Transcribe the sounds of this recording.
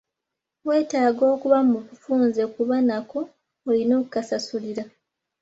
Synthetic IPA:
we̞ːtaːɡo̞ːkuβamuβufuːnze̞kuβanakoː | lino̞ːkukasasuliɾa

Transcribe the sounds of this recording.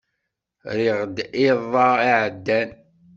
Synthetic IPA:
ɾiʁd̪ɪðˤɑiʕəd̪ːæn

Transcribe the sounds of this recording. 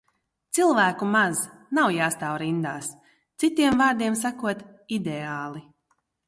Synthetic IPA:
t̪silˠvæːkumaznawjaːst̪aːwɾind̪a̰ːs | t̪sit̪iɛmvaːɾd̪iɛmsakuɔt̪ | id̪eaːlˠi

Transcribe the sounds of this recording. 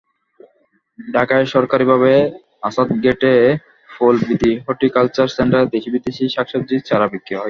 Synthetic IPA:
ɖʱakaeʃɔɾkaɾibʱaβe | asat̪ɡeʈe | folbid̪ʱiɦoʈikalt͡ɕaɾseɳʈaɾd̪ekʰibid̪iʃiʃakʃob̚d͡ʑit͡ɕaɾabikːiɦɔj

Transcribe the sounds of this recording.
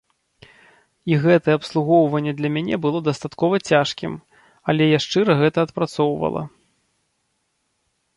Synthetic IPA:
iɣɛt̪ɐjɛɐpslˠuɣɔwvɐnʲːɛd̪lʲɐmʲanʲɛbɨlˠɔd̪ast̪at̪kɔvɐt͡sʲaʂkʲḭm | ɐlʲɛjaʂt͡ʂɨɾɐɣɛt̪ɐɐt̪pɾat̪sɔwvɐ̰lˠɐ̰

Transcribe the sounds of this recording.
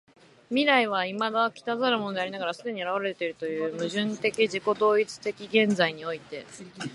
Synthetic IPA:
mʲiɾaiβ̞aimad̪akʲi̥t̪azaɾɯ̟mo̞no̞d̪e̞aɾʲinaɡaɾasɨd̪e̞ɲ̟iaɾaβ̞aɾaɾet̪e̞ɾɯ̟t̪o̞jɯ̟ːmɯ̟ʑɨ̃nt̪e̞kʲiʑiko̞d̪o̞ːit͡sɨ̥t̪e̞kʲiɡẽ̞nd͡zaiɲ̟io̞it̪e̞

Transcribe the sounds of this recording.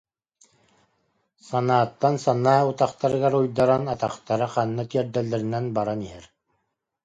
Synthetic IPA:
sɑnaːt̪ːansɑnaːut̪ɑqt̪ɑɾɯ̆ɣɑɾujd̪ɑɾanɑt̪ɑqt̪ɑɾɤqɑnːat̪iɛɾd̪ɛlːɛɾɘ̆nænbɑɾaniɦɛɾ

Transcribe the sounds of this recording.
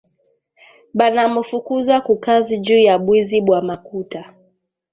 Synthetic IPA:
ɓanamufukuzakukazid͡ʒuːjaɓwiziɓwamakuta

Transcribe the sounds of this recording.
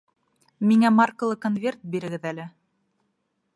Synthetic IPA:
miŋæmarkŏlˠɤkonvʲe̞rt̪̚biɾɘ̆ɡɘðælɘ

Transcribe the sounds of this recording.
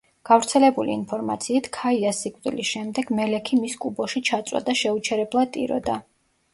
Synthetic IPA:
ɡ̥avɾt̪sʰɛlɛbuliːnpʰɔɾmat̪sʰiːt̪ʰkʰaiasːikʼvʼd̪ḭlisʃɛmd̪ɛɡ̥mɛlɛkʰimiskʼubɔʃit͡ʃʰat̪sʼwa̰d̪aʃɛut͡ʃʰɛɾɛblˠat̪ʼḭɾɔ̰d̪a

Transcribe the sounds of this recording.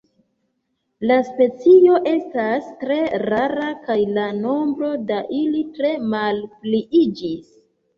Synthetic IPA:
laspe̞t͡sio̞ʔe̞stastɾe̞ɾaɾakajlano̞mbɾo̞daʔilitɾe̞malpliʔid͡ʒis

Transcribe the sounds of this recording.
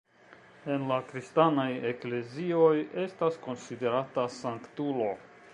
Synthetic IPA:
e̞nlakɾistanajekle̞zio̞je̞stasko̞nside̞ɾatasaŋktulo̞

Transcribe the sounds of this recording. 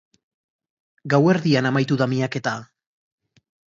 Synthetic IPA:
ɡawe̞ɾðianamajt̪uðamiake̞t̪a

